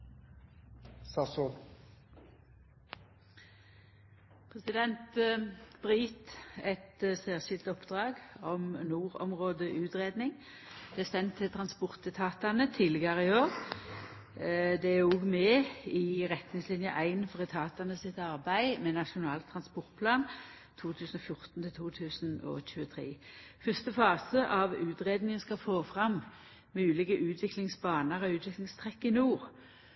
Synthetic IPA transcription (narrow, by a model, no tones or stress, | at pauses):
sɑso | pʰʁɛsɪd̪ɛnt̪ | bʁiːt̪ɛt̪sæːʁʃɪlt̪ɔpd̪ʁɑːɡɔmnuːʁɔ̰mʁoːd̪əʔʉːt̪ʁeːd̪nɪŋ | d̪̥ɛæsɛnt̪ʰːɪlt̪ʰʁɑnspʊʁt̪ət̪ʰɑːt̪ɑnət̪ʰiːlɪɡɑʁɪoːʁ | d̪ɛæɔɡmɛɪʁɛt̪nɪŋslɪnjəʔæɪnfɔʁɛt̪ʰɑːt̪ɑnəsɪt̪ɑɾbæɪmɛnɑʂʊnɑːlt̪ʰʁɑnspɔʁt̪̚pʰlɑːn | t̪ʰuːt̪ʰʉːsn̩ɔfjʊʁt̪n̩t̪ʰɪlt̪ʰuːt̪ʰʉːsnɔ̰çʉːət̪ʰɾḛːfœst̪əfɑːsəʔɑʋʉːt̪ʁeːd̪nɪŋənskɑfoːfʁɑmː | ʉːlɪɡəʔʉːt̪ʰʋɪklɪŋsbɑːnəʁɔʉːt̪ʰʋɪklɪŋst̪ʰʁɛkːɪnuːʁ